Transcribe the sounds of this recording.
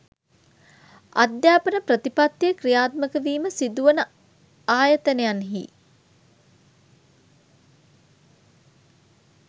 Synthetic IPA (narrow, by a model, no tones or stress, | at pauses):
a̰d̪jaːpənəprət̪ipat̪jekrijaːt̪məkəʋiːməsid̪uʋənə | aːjət̪ənejanɦḭː